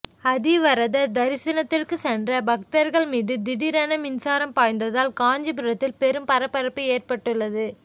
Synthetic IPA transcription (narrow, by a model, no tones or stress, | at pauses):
ɐðiʋɐɾɐðɐd̪ɐɾɪsɐnɐt̪ːɪrkɯsɛndrɐbɐk̚t̪ɐɾɣɐɭmiːðɯd̪ɪɽɪɾɐnɐmɪnsaːɾɐmpaːjnd̪ɐðaːlkaːɲd͡ʒɐp̬ɯɾɐt̪ːɪlpɛɾɯmpɐɾɐpːɐɾɐpːɯeːrpɐʈːɯɭːɐðɯ